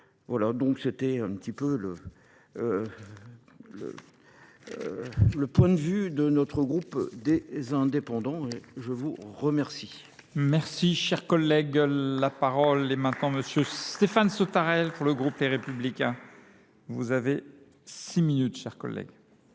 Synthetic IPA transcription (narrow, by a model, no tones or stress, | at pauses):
vwalad̪ɔ̃kset̪ɛɛ̃pət̪ipølə | lə̰ | ləpwɛ̃d̪əvyd̪ənɔt̪χəɡʁupd̪ezɛ̃d̪epɑ̃d̪ɑ̃eʒəvuʁəmɛʁsi | mɛʁsiʃɛʁkɔlːɛɡlapaʁɔlɛmɛ̃t̪nɑ̃məsjøt̪efansot̪aʁɛlpuʁləɡʁupd̪eʁepyblikʲɛ̃ | vuzave | siminyt̪ʃɛʁkɔ̰lːɛ̰ɡ